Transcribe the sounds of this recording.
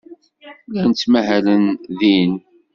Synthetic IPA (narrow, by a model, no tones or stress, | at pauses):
lænt͡s̪ːmæɦælənðin